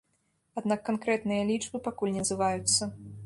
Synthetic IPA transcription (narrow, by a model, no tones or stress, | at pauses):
ad̪nakːankɾɛt̪nɨjɐlʲid͡ʐbɨpakulʲnʲɛnzɨvajut̪sːɐ